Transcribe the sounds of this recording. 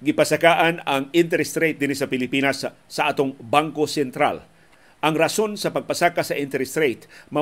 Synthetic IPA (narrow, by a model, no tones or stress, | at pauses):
ɡɪpɐsakaːʔanɐŋɪnt̪ɛɾst̪ɾejt̪̚d̪ɪnisɐpɪlɪpiːnɐsː | ɐʔaːt̪oŋbaŋkosɛnt̪ɾa̰l | ʔɐŋɾɐso̞nsɐpɐɡ̚pɐsakasɐʔɪnt̪ɛɾst̪ɾejt̪mɐ